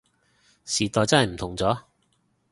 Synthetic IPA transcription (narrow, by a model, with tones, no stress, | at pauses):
siː˨t̪ɔː˨˧jt͡sɐ˥nhɐ˨jm̩˨˩t̪ʰʊ˨˩ŋt͡sɔː˨˥